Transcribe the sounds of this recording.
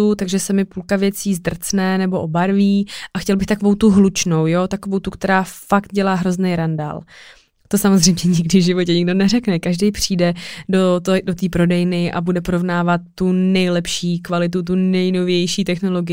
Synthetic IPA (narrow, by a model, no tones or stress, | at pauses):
ut̪aɡʒɛsɛmɪpulkavjɛt͡siːzd̪r̩t͡snɛnɛbo̞ʔobaɾviːʔaxcɛlbɪxt̪akovo̞wt̪uɦlut͡ʃno̞wjot̪ako̞vowt̪ukt̪ɛɾaːfakt̪̚ɟɛlaːɦɾo̞znɛjɾanda̰ːl | t̪o̞samozr̝ɛjmɲɛɲɪɡdɪvʒɪvo̞cɛɲɪɡdo̞nɛrɛknɛkaʒdɛjpr̝̥iːdɛdodot̪iːpɾo̞dɛjnɪʔa̰budɛpo̞ɾo̞vnaːvat̪ːunɛjlɛpʃiːkvalɪt̪̬ut̪̬unɛjno̞vjɛjʃiːt̪ɛxno̞lo̞ɡɪ